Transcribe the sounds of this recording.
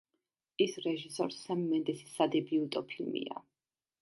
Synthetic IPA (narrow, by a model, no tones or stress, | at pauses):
isɾɛʒisɔɾsːɛmːɛnd̪ɛsi̥sad̪ɛbiut̪ʼɔpʰilmḭa̰